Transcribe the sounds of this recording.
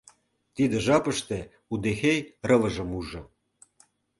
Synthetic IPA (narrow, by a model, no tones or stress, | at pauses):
t̪id̪ĕʒɑpə̆ʃt̪ĕ | ud̪exejrɤ̆vɤ̆ʒə̆muʒɤ̆